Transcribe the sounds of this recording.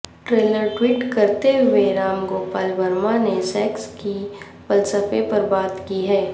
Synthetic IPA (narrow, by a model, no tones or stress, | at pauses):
ʈɾeːləɾʈwiːʈkɐɾt̪eʋeɾaːmɡoːpaːlbɐɾmanesɛːkski | ʋɐlsəfepɐɾbaːt̪kiɦɛː